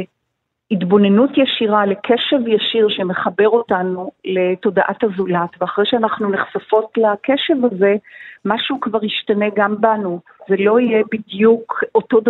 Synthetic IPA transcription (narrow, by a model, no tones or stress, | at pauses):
itbo̞ne̞nutjaʃiʁale̞kʰeʃevjaʃiʁʃemeχabe̞ʁo̞tanule̞to̞daʔathazulatveaχʁejʃeanaχnuneχsafo̞tlakeʃevaze̞maʃukvaʁiʃtane̞ɡambanu | zelo̞ijebidjukotod